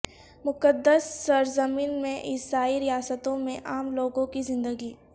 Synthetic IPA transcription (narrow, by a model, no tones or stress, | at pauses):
mʊkəd̪əsːɐɾzəmiːnmẽʔɪsaːiɾɪjaːsət̪õmẽʔaːmloːɡõkizɪ̃nd̪əɡiː